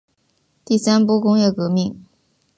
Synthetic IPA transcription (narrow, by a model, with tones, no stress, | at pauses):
t̪i˥˩sa˥npɔ˥kʊ˥ŋjɛ˥˩kɤ˧˥mi˥˩ŋ